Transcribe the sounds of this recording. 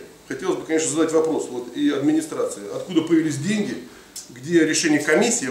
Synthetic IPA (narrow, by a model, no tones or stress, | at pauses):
xɐtʲelˠəsʲbɨkɐnʲeʂ̬nəzɐd̪atʲvɐpɾo̞svo̞t̪ɪɐd̪mʲɪnʲɪst̪ɾat̪sɨɪɐt̪kud̪əpəjɪɪlʲis̬ʲdʲenʲɡʲɪ | ɡdʲeɾʲɪʂɛnʲɪjəkɐmʲisʲːɪː